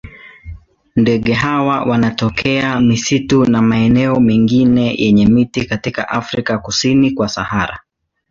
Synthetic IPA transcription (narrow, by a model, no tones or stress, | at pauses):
ndɛɠɛɦawawʔanatɔkʰɛamisitunamaɛnɛɔmiŋɡinɛjʔɛɲɛmitikatika̰ʔafɾikakusinikwasahaɾa̰